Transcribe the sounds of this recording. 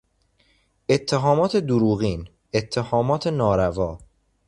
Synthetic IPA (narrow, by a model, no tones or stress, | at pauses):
e̞t̪ʰːeɦɒːmɒːt̪ʰe̞d̪oɾuːɣiːn | e̞t̪ʰːehɒːmɒːt̪ʰe̞nɒːɾævɒː